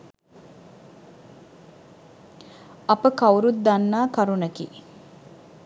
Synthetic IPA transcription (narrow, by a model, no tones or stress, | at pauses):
ɐpəkawɾut̪̚d̪anːaːkaɾunəkḭ